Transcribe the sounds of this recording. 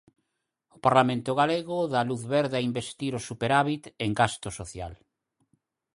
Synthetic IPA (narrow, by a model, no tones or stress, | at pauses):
ʊpaɾlamẽnt̪ʊɣaleɣʊðaluθβɛɾðaimbest̪iɾosupeɾaβit̪eŋɡast̪ʊsoθja̰l